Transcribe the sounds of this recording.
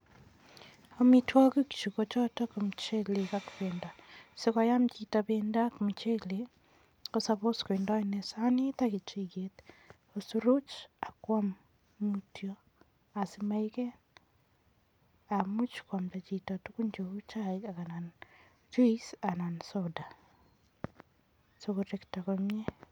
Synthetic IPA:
omitwakuki̥t͡ʃukot͡ʃɔtɔkomt͡ʃelekakuβendasekajamt͡ʃitaβendakomut͡ʃele | kosaβoskwendanesanitakit͡ʃiket | osuɾot͡ʃakwamː | utjɔ | asimaikɛn | amut͡ʃkwamtat͡ʃitatukuɲd͡ʒout͡ʃaikakanan | t͡ʃuisanansoda | sokoɾektakomje

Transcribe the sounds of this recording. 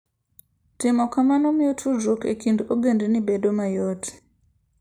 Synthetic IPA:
tɪmɔkamanomiotʰud͡ʒokḛkindoɡendinibedomajoti̥

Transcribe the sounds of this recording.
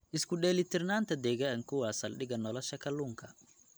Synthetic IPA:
ʔɪskʰʊɗɛːlɪt̪ʰɪrnaːnt̪ʰɐd̪ɛːɣaŋkʰʊwaːsɐlɗɪɣɐnɔlɔʃɐkʰɐluːŋkʰɐ

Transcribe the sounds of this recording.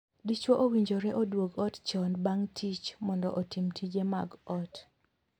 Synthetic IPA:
dit͡ʃwoʔowiɲd͡ʒoɾɛʔodwoɡɔtt͡ʃɔnbaŋtʰit͡ʃmɔndɔ̰ʔotimtʰid͡ʒemaɡɔt

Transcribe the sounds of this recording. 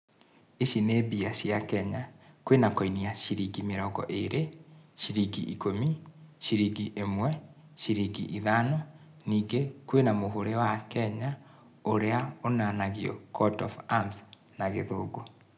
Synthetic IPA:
iʃinebiaɕjakɛɲakwenakoiniaʃiɾiɡimeɾɔɡɔ̰ʔeɾeɕiɾiɡiʔikomiɕiɾiɡiʔemwɛ | ɕiɾiɡiʔiðanɔ | niːɡekwenamoɦoɾewakɛɲa | oɾeaonanaɣjɔ̰kʰɔdɔfams | naɣeðoːɡo

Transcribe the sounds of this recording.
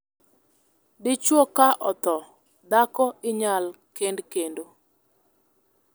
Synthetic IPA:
dɪt͡ʃwokaʔɔt̪ɔ | d̪akɔɪɲalkendkendo

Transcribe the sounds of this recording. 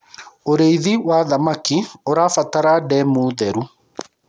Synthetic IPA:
oɾeiðiwaðamakioɾafataɾadɛmuːðɛɾu

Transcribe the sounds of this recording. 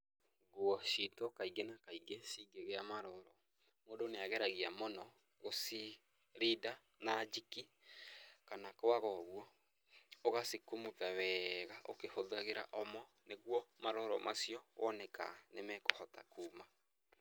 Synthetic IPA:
ɡwɔʃitɔkaiɡenakaiɡesiɡeɣeamaɾɔɾɔ | moːdoneaɣɛɾaɣiamonɔ | ɣosi | ɾida | nad͡ʒiki | kanakoaɣɔɣwɔ | oɣasikomoðawɛɣaʔo̰kehoðaɣeɾa̰ʔɔmɔ | neɣwɔmaɾɔɾɔmasjɔwʔɔnɛka̰nemɛkɔhɔta̰kuːma

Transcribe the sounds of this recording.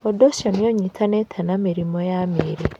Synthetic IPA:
odoʃɔnjoɲitʰanetʰanamiɾimɔjameɾe

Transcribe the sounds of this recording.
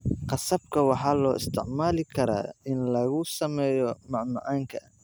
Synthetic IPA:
qɑsɐb̚kʰɐwɑħɑːlɔːʔɪ̰st̪ʰɪʕmaːlɪkʰɐɾa̰ːɪnlɐɣʊsɐmɛːjɔmɑʕmɑ̰ʕɑːŋkʰɐ

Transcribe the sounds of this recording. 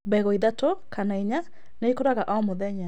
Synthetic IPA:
bɛɣɔiðatokʰanaiɲa | neikoɾaɣaʔaɔmoðɛɲa

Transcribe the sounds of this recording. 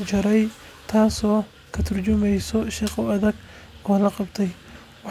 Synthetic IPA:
t͡ʃɐɾɛj | t̪ʰaːsɔː | kʰɐt̪ʰʊrt͡ʃʊmɛjsɔʃiːχɔwɐðɐɡ | ɔːlɐqɑbt̪ʰɛj | wɑ

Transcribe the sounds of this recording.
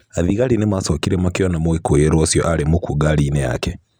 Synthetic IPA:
aðiɣalinemwasokiɾemakjonamoikojeɾosjoʔalimukuɡalineja̰ke

